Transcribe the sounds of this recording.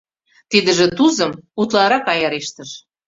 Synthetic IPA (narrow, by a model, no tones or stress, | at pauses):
t̪id̪ə̆ʒĕt̪uzə̆mut̪lɑɾɑkɑjɑɾeʃt̪ə̆ʃ